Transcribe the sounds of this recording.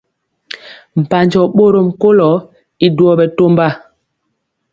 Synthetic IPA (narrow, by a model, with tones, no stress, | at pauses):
m̩˨pa˨ɲd͡ʒɔ˨ɓo˦ɾo˦˨m̩˨ko˦lɔ˨˦ | i˨du˨ɔ˨ɓɛ˨to˦mba˦˨